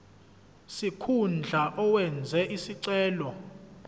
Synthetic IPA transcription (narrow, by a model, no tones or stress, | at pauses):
sikʰund͡ɮʱaʔɔwɛnd͡zʱɛʔisiǀɛːlɔ